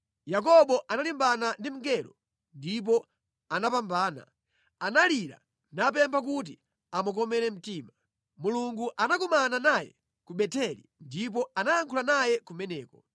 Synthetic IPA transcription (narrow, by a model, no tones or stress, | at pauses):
jak̬ɔɓɔʔanalimbanandim̩ɡɛɾɔ | ndip̬ɔ | anapambaːna̰ | analiɾa̰ | nap̬ɛmpʰak̬ut̬i | amukɔmɛɾɛm̩tiːma | muluŋɡuʔanakumananajɛ̰ | kuɓɛtʰɛlḭndip̬ɔanajaŋkʰulanajɛkumɛnɛːkɔ